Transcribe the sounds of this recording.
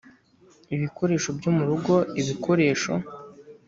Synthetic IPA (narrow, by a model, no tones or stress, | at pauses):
iβiko̞ɾe̞ːʃo̞bjomuɾuɡo̞iβikʰo̞ɾe̞ːʃo̞̰